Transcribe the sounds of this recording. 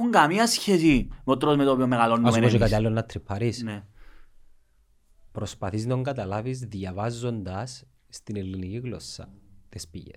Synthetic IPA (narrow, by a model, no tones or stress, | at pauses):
uŋɡɐmiɐsçesimeot̪ɾozmet̪opiomːeɣɐlonːasosokɐt̪iɐlːonːɐt̪ɾipʰːɐɾisne | pɾospɐθiznoŋɡɐt̪ɐlɐvizðjɐvɐzːo̞nd̪ɐsː | t̪inelːiniciɣlo̞̰sːɐ̰t̪espiʝḛs